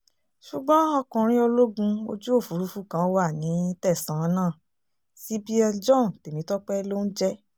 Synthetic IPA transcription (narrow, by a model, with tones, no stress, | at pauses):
ʃu˨ɡ͡bɔ̃˦ɔ˧kũ˨ɾ̃ĩ˦o˧lo˦ɡũ˧o̰˧d͡ʒu˦o˦˨fu˨˦ɾu˧˦fu˦kã˨˧˦wa˦˨nĩ˨˦tɛ˦˨sã˨˦nãː˦˨ | si˨˦bi˦ɛ˧d͡ʒɔ̃˦˨n˨te˨mĩ˨˦tɔ˦k͡pɛ˦lo˦n̩˦d͡ʒɛ˦